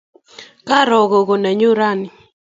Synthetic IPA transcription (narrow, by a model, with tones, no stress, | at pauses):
ka˦ɾɔ˨ɡɔ˨ɡo˨nɛ˨ɲʊ˦ɾa˦˨nɪ˨